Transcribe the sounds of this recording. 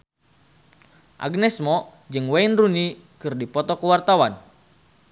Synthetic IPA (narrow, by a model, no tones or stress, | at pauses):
ʔa̰ɡnɛsmɔ | d͡ʒɨŋwɛinruni | kɨrdipɔt̪ɔkəwart̪awan